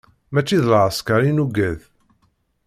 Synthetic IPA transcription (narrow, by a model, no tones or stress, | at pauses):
mæt͡ʃːiðlʕəskaɾinuɡæð